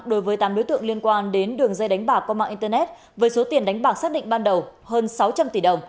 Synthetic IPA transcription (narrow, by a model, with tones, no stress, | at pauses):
ɗo˨˦jvəː˨˦jt̪aː˨˦mɗo˨˦jt̪ɨ̰˧˨əŋli˧ənkwaː˧nɗe˨˦nɗɨ˨˩əŋzə˧jɗa˨˦jŋ̟ɓaː˧˩kɔ˧maː˧˨ʔi˧t̪ə˧nɛ˦˥t̚ | vəː˨˦jso˨˦t̪i˨˩ənɗa˨˦jŋ̟ɓaː˨˩wsaː˦˥k̚ɗḭ˧˨ŋ̟ɓaː˧nɗə˨˩whəː˧nsa˨˦wt͡ɕa˧mt̪i˧˩ɗə˨˩wŋ͡m